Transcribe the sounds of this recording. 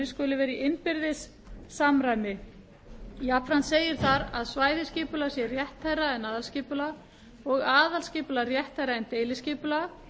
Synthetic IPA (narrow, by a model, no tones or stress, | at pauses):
ɪ̥skœːlɪvɛːɾiʔɪnpɪɾðɪsː | amɾajnɪ | japvɾanseːjɪɾ̥θaɾaðsvaːjðɪscɪːpʏlasjɛrjɛht̪hajraɛnaːðalscɪːpʏla | ɔɣaːðalscɪːpʏlarjɛht̪ajɾaɛnt̪eːjlɪscɪːpʏla